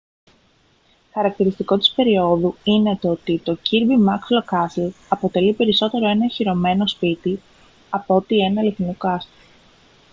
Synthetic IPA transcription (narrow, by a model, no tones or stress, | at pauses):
xɐɾɐk̚t̪iɾist̪iko̞t̪i̥spe̞ɾio̞ðuine̞t̪oot̪it̪o̞ciɾvimɐkslokɐslɐpo̞t̪e̞lipe̞ɾiso̞t̪e̞ɾo̞e̞nɐẽçiɾo̞me̞no̞spit̪i | ɐpo̞t̪ie̞nɐːliθnukɐst̪o